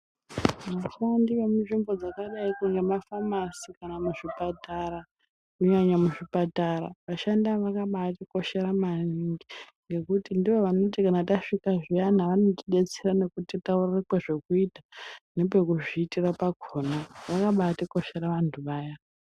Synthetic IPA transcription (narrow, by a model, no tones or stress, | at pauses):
ʋaʃandiʋemuʐimbo̞d͡zakaɗaikuŋɡemafamasikanamuʐipataɾa | kuɲaɲamuʐipataɾaʋaʃandaʋakaɓaatiko̞ʃe̞ɾamaniŋɡi | ŋɡe̞kutindiʋo̞ʋano̞tikanataʂikaʐianaʋano̞tiɗe̞t͡serane̞kutitaurrekweʐe̞kuitane̞pe̞kuʐiːtirapaɡʱonaʋakaɓaatiko̞ʃe̞ɾaʋantʰuʋaːja